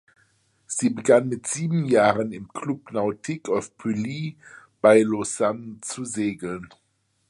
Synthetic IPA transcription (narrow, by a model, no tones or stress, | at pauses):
z̥iːbəɡanmɪtz̥iːbm̩jaːʁənɪmkʰlupnaʊtʰɪkafpʰyli | b̥aɪlosant͡suzeːɡl̩n